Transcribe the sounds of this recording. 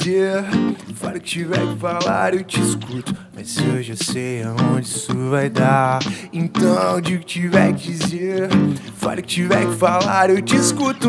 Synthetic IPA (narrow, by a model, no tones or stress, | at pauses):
e | faɾʊkɪ̥t͡ʃivɛ̰ɾkɪfala̰ɾewt͡ʃiiskut̪ʊ̥mɐsewʒasejaõd͡ʒɪsuvajd̪aẽnt̪ɐ̃d͡ʒiʊkɪ̥t͡ʃivɛɾkɪd͡ʒizeɾ | fa̰ɾʊkɪ̥t͡ʃivɛɾkɪfalaɾewt͡ʃiiskut̪ʊ